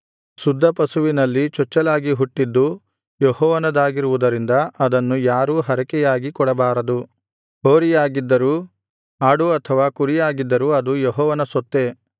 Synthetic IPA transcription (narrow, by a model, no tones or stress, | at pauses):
sud̪ʱːɐpɐsuʋinɐlːit͡ʃɔt͡ʃːɐlaːɡiɦuʈːid̪ːu | jɔhɔːʋɐnɐd̪aːɡiɾuʋud̪ɐɾind̪ɐʔɐd̪ɐnːujaːɾuːɦɐɾɐkɛjaːɡikɔɽɐbaːɾɐd̪u | ɦoːɾijaːɡid̪ːɐɾuː | aːɽuɐt̪ʰɐʋaːkuɾijaːɡid̪ːɐɾuːɐd̪ujɔɦɔːʋɐnɐsɔt̪ːe̞